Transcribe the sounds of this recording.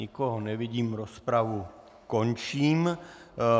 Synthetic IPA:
ikoɦɔnɛʋiɟiːmɾospɾaʋu | kont͡ʃiːm

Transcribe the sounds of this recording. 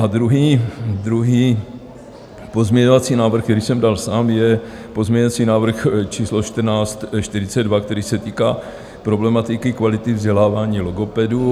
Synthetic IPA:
ʔad̪ɾuɦiːd̪ɾuɦiː | po̞zmɲɛɲovat͡siːnaːvr̩xkt̪ɛɾiːsɛmdalsaːmjɛ | po̞zmɲɛɲoat͡siːnaːvr̩xt͡ʃiːslo̞ʃt̪r̩naːt͡st̪ʃt̪ɪɾɪt͡sɛdvakt̪ɛɾiːsɛt̪iːkaː | pɾo̞blɛmat̪ɪkɪkvalɪt̪ɪvzɟɛlaːvaːɲiːloɡopɛdu

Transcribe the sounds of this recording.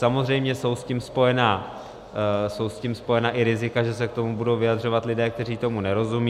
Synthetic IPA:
samo̞zrɛjmɲɛso̞wscimspo̞jɛnaː | so̞wscimspo̞jɛnaːʔɪɾɪzɪkaʒɛs̬ɛk̚t̪o̞mubudo̞wvɪjad̪r̝o̞vat̪lɪdɛːk̚t̪ɛriːt̪o̞munɛɾo̞zumiː

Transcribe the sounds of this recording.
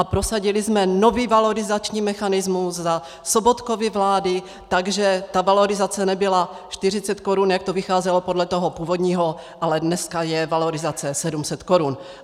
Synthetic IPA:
ʔapɾosaɟɪlɪzmɛnoviːvalo̞ɾɪzat͡ʃɲiːmɛxanɪzmusza | sobot̪kovɪvlaːdɪ | t̪aɡʒɛt̪avalo̞ɾɪzat͡sɛnɛbɪla | ʃt̪ɪr̝ɪt͡sɛt̪koɾunjakt̪ovɪxaːzɛlopodlɛt̪oɦopuːvod̪ɲiːɦo | ʔalɛdnɛskajɛvalo̞ɾɪzat͡sɛsɛdumsɛt̪koɾun

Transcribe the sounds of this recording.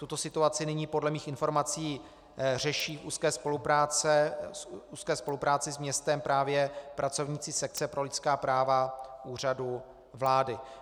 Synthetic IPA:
t̪ut̪o̞sɪt̪uat͡sɪnɪɲiːpo̞dlɛmiːxɪnfo̞ɾmat͡siː | r̝ɛʃiːfṵːskɛːspo̞lupɾaːt͡sɛ | uːskɛːspo̞lupɾaːt͡sɪzmɲɛst̪ɛmpɾaːvjɛpɾʔat͡so̞vɲiːt͡siːsɛk̚t͡sɛpɾo̞lɪt͡skaːpɾaːvaʔuːr̝adu | vlaːdɪ

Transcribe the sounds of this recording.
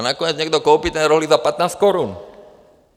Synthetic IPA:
nakoɲɛt͡sɲɛɡ̚d̪okowpit̪ɛnɛɾoɦlizapat̪naːst̪̚koɾun

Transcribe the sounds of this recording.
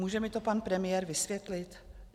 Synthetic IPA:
uːʒɛmɪt̪o̞panpɾɛmɪjɛːɾvɪsvjɛt̪lɪt̪

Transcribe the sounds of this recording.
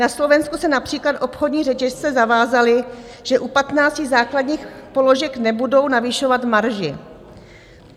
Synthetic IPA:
naslo̞vɛnskusɛnapr̥iːklat̪ʔo̞pxodɲiːrɛcɛʃt͡sɛzavaːzalɪ | ʒ̥ɛʔupat̪naːt͡scizaːkladɲiːxpo̞lo̞ʒɛknɛbudownavɪʃovat̪maɾʒɪ

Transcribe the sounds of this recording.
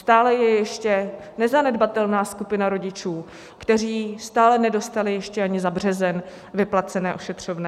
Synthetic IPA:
st̪aːlɛjɛjɛʃcɛnɛzanɛdbat̪ɛlnaːskupɪnaɾo̞ɟɪt͡ʃuː | kt̪ɛr̝iːst̪aːlɛnɛdo̞st̪alɪjɛʃcɛaɲɪzabr̝ɛzɛn | vɪplat͡sɛnɛːʔoʃɛt̪r̝̥ovnɛː

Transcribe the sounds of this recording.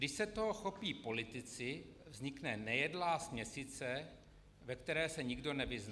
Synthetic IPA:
ɡdɪʃsɛt̪oɦoxo̞piːpo̞lɪt̪ɪt͡sɪ | vzɲɪknɛnɛjɛdlaːsmɲɛsit͡sɛ | vɛkt̪ɛɾɛːsɛɲɪɡdo̞nɛvɪzn

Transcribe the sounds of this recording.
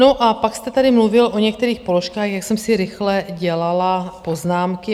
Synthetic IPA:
noʔapakst̪ɛt̪adɪmluvɪlʔo̞ɲɛk̚t̪ɛɾiːxpo̞lo̞ʃkaːxjaksɛmsɪɾɪxlɛɟɛlalapo̞znaːmkɪ

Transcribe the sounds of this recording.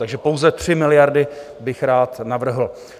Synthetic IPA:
t̪aɡʒɛpowzɛt̪r̥ɪmɪlɪjaɾdɪ | bɪxɾaːt̪navr̩ɦl̩

